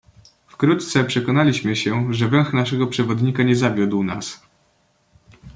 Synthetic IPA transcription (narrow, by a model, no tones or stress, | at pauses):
fkɾut̪t̪sɛpʂɛkɔnalʲiɕmɘɕɛʐɛvɛ̃w̃xnaʂɛɡɔpʂɛvɔd̪ɲikaɲɛzavʲjud̪wna̰s